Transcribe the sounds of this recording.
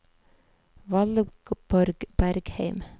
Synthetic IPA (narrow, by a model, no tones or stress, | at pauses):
ʋɑlɡ̥b̥ɔɾɡb̥æɾɡheɪm